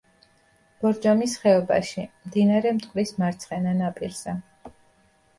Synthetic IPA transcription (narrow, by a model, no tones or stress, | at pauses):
b̥ɔɾd͡ʒamisχɛɔba̰ʃimd̪inaɾɛmt̪ʼqʼwɾismaɾt̪sʰχɛnanapʼiɾz̥ɛ